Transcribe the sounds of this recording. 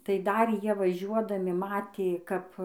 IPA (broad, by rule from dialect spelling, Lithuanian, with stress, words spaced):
tɐɪ ˈdɐr ˈjiɛ ʋɐˈʒʲuɔdɐmʲɪ ˈmɑːtʲeː ˈkɐp